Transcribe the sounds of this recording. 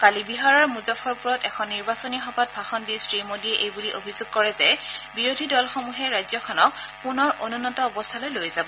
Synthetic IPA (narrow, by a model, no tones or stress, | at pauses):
kalibiɦaɹɔɹmuzɔfʰɔɹpuɹɔtɛkʰɔnːiɹbasonixɔbat̚bʱaxɔnbisɹimodiɛʔejbuliʔobʱizoɡ̚kɔɹɛzɛbiɹodʱidɔlxomuɦɛɹajzɔkʰɔnɔk̚punɔɹʔonunɔtɔːbɔst̪ʰalojlojzabɔ